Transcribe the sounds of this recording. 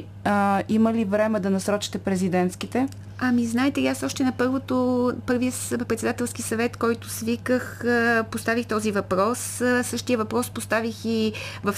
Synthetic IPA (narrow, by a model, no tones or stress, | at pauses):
iməlivɾɛmɛd̪ɐnɐsɾɔt͡ʃi̥t̪ɛpɾɛzid̪ɛnt̪sk̟it̪ɛ | ɐmiznaɛt̪ɛliasɔʃt̪ɛnɐpɤɾvot̪opɤɾviə | pɾɛt̪sɛd̪at̪ɛlˠsk̟isɐvɛt̪kɔjt̪ʊsvikəxpost̪avixt̪ɔzivɐpɾɔssɤʃt̪ijəvɐpɾɔspost̪avixivəf